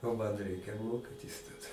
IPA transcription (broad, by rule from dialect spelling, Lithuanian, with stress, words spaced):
oː ˈmɐn ˈrʲɛɪkʲɛ ˈmoːkʲɪtʲɪs tɐˈdɐ